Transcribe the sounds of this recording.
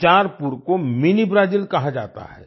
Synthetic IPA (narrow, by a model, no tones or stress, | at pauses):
t͡ʃaːɾpuɾkomɪnibɾaːd͡ʒilkɐɦad͡ʒa̰ːt̪a̰ɦɛ̰ː